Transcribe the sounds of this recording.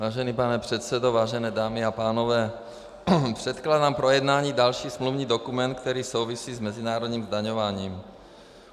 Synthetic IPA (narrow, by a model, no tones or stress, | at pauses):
vaːʒɛniːpanɛpr̥ɛt̪sɛd̪ovaːʒɛnɛːd̪aːmiapaːnovɛː | pr̥ɛt̪klaːd̪aːmpɾojɛd̪naːɲiːd̪alʃiːsmluvɲiːd̪okumɛnt̪̚k̚t̪ɛɾiːsowvisiːzmɛzinaːɾod̪ɲiːmzd̪aɲovaːɲiːm